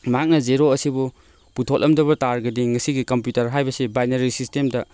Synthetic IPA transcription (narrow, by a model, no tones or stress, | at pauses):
mak̚nɐzeɾoɐsibu | putʰolʔɐmdɐβɐtaɾɡɐdiŋɐsiɡikɐmpjutɐɾɦajbɐsibajneɾisistemdɐ